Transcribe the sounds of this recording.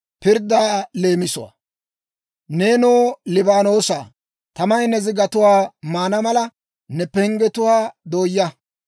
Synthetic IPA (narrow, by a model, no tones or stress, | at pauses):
pɪɾd̪aːle̞ːmɪsʊwa̰ | neːnoːlɪbaːno̞ːsaː | t̪ɐmɐjnɛzɪɡɐt̪ʊwaːmaːnɐmɐlɐ | nɛpːɛhɪŋɡɛt̪ʊwaːd̪oːjːɐ